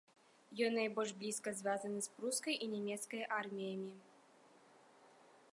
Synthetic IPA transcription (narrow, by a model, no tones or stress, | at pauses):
jɔnɐɪbɔlʂblʲiskəs̬vʲazənɨspɾuskəjʔinʲɛmʲet̪skəjʔarmʲɪjəmʲɪ